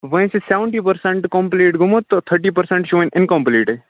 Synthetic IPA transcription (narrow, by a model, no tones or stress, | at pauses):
ʋɐĩseseʋəɳʈipəɾsẽɳʈkɔ̃mpliːʈɡʱʊmot̪ːot̪ʰəɾʈiːpəɾsẽɳʈʃõːĩnɪnkɔ̃mpliːʈe